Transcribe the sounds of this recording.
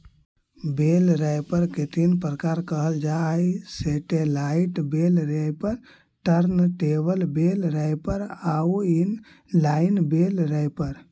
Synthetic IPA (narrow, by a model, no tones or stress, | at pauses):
belɾəjpəɾket̪inpɾəkaɾkəɦəld͡ʒajseʈelaiʈbelɾəjpəɾ | ʈəɾnʈebəlbelɾəjpəɾauin | laɪnbelɾəjpəɾ